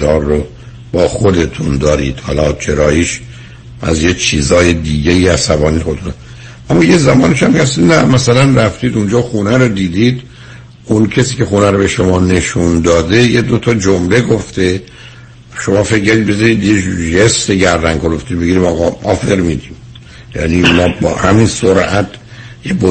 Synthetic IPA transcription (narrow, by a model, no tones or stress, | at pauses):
ɒːɾːo | b̥ɒːxod̪e̞t̪ʰund̪ɒːɾḭːd̪̥hɒ̰lɒt͡ʃʰe̞ɾɒːjiːʃ | ʔæ̰zjet͡ʃʰiːzɒːjed̪iːɟejiːæsæbɒːniːnexod̪et̪unæ | ʔæmːɒːjezæmɒːneʃæmcʰeæst̪inæmæsælænræft̪iːd̪und͡ʒɒːxunæɾod̪iːd̪iːd̪ | ʔuncʰesiːkʰe̞xunæɾobe̞ʃomɒːne̞ʃund̪ɒːd̪e̞jed̪o̞t̪ʰɒːd͡ʒomle̞ɡoft̪e̞ | ʃomɒːfeccæɾd̪id̪̚be̞zɒɾiːd̪jeʒest̪eɡæɾd̪æŋɡkoɾoft̪ibeɡiːɾimɒːɣɒʔɒ̰ːfeɾmid̪im | jæ̰niunɒːbɒ̰ːhæminsoɾæt̪ʰ | jebo